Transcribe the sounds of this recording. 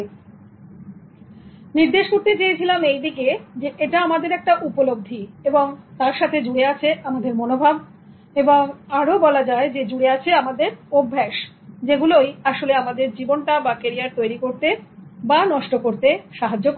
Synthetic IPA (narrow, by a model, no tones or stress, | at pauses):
niɾd̪eʃkoɾt̪et͡ɕajet͡ɕʰilamejd̪iked͡ʑeʔeʈaamad̪eɾɛk̚ʈaʔupolob̚d̪ʱieboŋt̪aɾʃat̪ʰed͡ʑuɽeat͡ɕʰeʔamad̪eɾmonobʱab | eboŋaɾobɔlad͡ʑaed͡ʑed͡ʑuɽeat͡ɕʰeamad̪eɾobʱːeʃ | d͡ʑeɡulojaʃoleamad̪eɾd͡ʑibonʈabakeɾiaɾt̪ojɾikoɾt̪ebanɔʃʈokoɾt̪eʃaɦad͡ʑok